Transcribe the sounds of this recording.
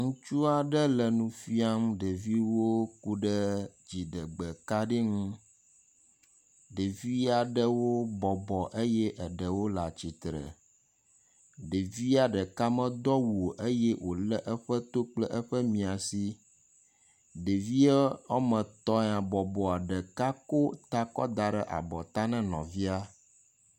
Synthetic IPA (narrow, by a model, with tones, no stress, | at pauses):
ŋũ˦t͡ʃu˦a˨ɖə˦lə˨nũ˨fi˦a˦m̃˦ɖe˨vi˦wo˦ku˦ɖə˦d͡ʑi˨ɖə˨ɡ͡bə˨ka˦ɖi˦ŋũ˦ | ɖe˨vi˦a˨ɖə˦wo˦bɔ˨bɔ˨ʔe˦jɛ˦ʔə˨ɖə˨wo˦la˨t͡ɕi˨t̪ɾə̰˨ | ɖe˨vi˦a˦ɖə˨ka˦mɛ̃˦d̪ɔ˦wo˨ʔe˦jɛ˦wʔo˨lɛ˦ʔə˦ɸə˦t̪o˦k͡plɛ˦ʔə˦ɸə˦mĩ˨a˨si˦ | ɖe˨vi˦ɛ˦ɔ˦mə̃˨t̪ɔ˦ã˨bɔ˨bɔ˨a˨ɖə˨ka˦ko˦t̪a˦kɔ̰˦d̪a˨ɖə˨ʔa̰˨bɔ˨t̪a˦nɛ̃˦nɔ̃˨vi˦a˦